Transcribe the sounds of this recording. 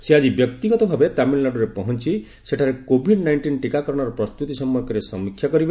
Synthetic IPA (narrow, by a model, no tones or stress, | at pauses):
sead͡ʒibjɔk̚t̪iɡɔt̪ɔbʱabet̪amillaɖɔɾepɔɦɔnt͡ʃʰi | seʈʰaɾekobʱiɖnajɳʈinʈikakɔɾɔɽ̃ɔɾɔpɾɔst̪ut̪isɔmːɔjkɔɾesɔmikʰːjakɔɾibe